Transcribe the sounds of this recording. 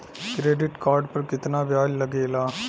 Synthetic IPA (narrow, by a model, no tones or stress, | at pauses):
kɾeːɖɪʈkaːɾɖpɐɾkɪt̪nabjaːd͡ʒlɐɡeːlaː